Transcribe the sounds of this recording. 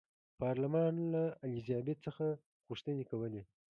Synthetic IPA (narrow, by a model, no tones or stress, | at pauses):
pɑɾlamɑnlaalizɑbet̪̚t͡səxa | ɣuʂt̪ənekawəle